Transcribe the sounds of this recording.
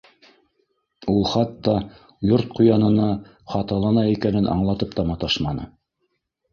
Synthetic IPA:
ulˠχɑt̪ːɑ | joɾt̪̚qujɑnɤ̆nɑ | χɑt̪ɑlˠɑnɑikænɘnʔɑ̰ɴlˠɑt̪ɤp̚t̪ɑmɑt̪ɑʃmɑnɤ̰

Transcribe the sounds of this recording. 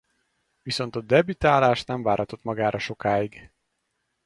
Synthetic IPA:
viso̞n̪t̪ɒd̪ɛbyt̪aːlaːʃt̪nɛɱvaːɾhɒt̪o̞t̪mɒɡaːɾʔɒʃo̞kaːiɡ

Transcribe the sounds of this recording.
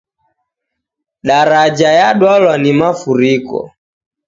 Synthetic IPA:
ɗaɾad͡ʒajaɗwalwanimafuɾikɔ̰

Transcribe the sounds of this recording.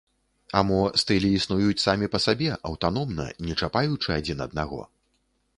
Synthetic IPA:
amɔst̪ɨlʲiːsnujut͡sʲsamʲipɐsabʲɛʔɐwt̪anɔmnɐ̰nʲɛt͡ʂapajut͡ʂɨad͡zʲinɐ̰d̪̚naɣɔ̰

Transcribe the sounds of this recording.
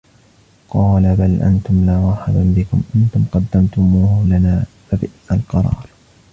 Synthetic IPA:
qɑːlabalʔa̰nt̪ʊmlaːwaːħɪd̪abɪkʊ̰mʔant̪ʊmqɑd̪ːamt̪ʊmuːhʊlanaːfabɪʔalqɑɾˤɑ̰ːɾˤ

